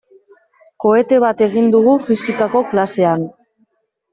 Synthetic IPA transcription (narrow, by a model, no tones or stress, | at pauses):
ko̞e̞t̪e̞β̞at̪e̞ɣind̪uɣufisikako̞klase̞an